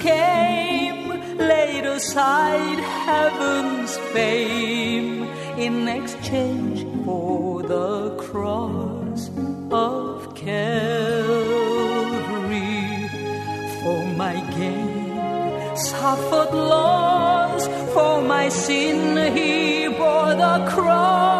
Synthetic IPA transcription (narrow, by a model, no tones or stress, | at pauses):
kʰeɪm | leɪɾəsaɪd̚hɛvə̃nz̥fẽɪm | ɪ̃nɨkst͡ʃʰẽɪ̃nd͡ʒfə˞ðəkʰɹ̥ɔs | ʌv̥kʰɛ | llvi | fə˞maɪɡẽɪ | m | s | ʌfə˞dˡlɔz̥ | fə˞maɪsɪ̃ni | bɔɹðəkʰɹ̥ɔ